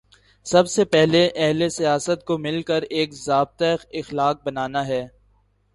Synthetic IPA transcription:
sɐbsepɛɦleʔɛɦlesijaːsət̪̚komɪlkəɾeːkzaːb̚t̪aɪxlaːk̚bɐnaːnaɦɛː

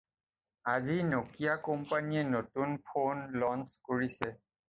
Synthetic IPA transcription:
azinokijakɔmpaniɛnotunpʰonlɔnskoɹisɛ

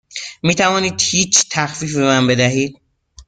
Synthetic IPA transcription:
miːt̪ʰævɒːniːd̪̥hiːt͡ʃʰt̪ʰæxfiːfbe̞mænbe̞d̪æɦiːd̪̚

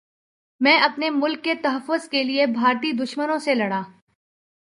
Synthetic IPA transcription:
mɛ̃ːʔɐpnemʊlkːet̪ɐɦəfːʊzkeliebʱaːɾt̪id̪ʊʃmənõselɐɽaː

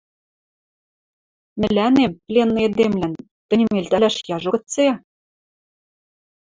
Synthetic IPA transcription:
mɘ̆lænemplʲenːɤ̆ed̪emlæn | t̪ɘ̆nʲɘ̆melʲt̪ælæʃjɑʒɤ̆ɤ̆t͡se

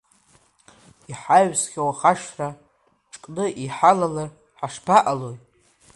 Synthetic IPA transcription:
iħaɥsχʲawaχaʃra | ʈ͡ʂʼkʼnɨʔiħalalar | ħaʂpʰaʔalojʼ

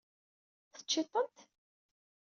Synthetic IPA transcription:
θə̥t͡ʃːɪt̪ˤːənt̪

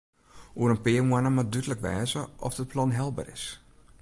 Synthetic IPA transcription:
ʔuəɾənpɪərmwanəmat̚dytləkʋɛ̰ːzəʔɔ̰fdət̚pʰlɔnɦɛlˠbə̰rɪ̰s

